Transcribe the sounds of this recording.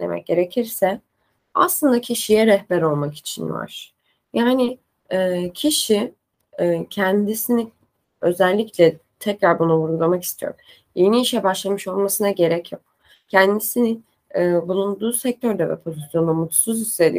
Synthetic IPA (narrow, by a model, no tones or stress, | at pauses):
lḛmɛ̰c̚ɟ̥e̞ɾe̞cʰiɾsɛ | a̰slˠɯnd̪acʰiʃijɛɾɛhbæɾo̞lˠmaki̥t͡ʃʰinj̰a̰ɾ | jaːnɪ | ɛːcʰiʃiː | cʰɛnd̪isini | ø̞zɛlʲːiclʲɛ | t̪ʰɛcɾaɾbunuvuɾɡulˠamaki̥st̪ʰijo̰ɾ | je̞niːʃɛbaʃlˠamɯʃo̞lˠmasɯnaɟe̞ɾɛcʰjok̚ | cʰɛnd̪isinɪnː | bulˠund̪uːsɛc̚t̪ʰøɾd̪ɛvɛ̰pʰo̞zisjo̞nd̪amut̪ʰsuzised̪ḭ